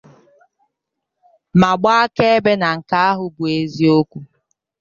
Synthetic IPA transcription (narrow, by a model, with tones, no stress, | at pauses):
ma˨ɡ͡ba˦a˦ke˦e˦be˦na˨ŋ̩˨ka˦a˦ɦʊ˨bu˨e˨zi˦o˦kʷu˦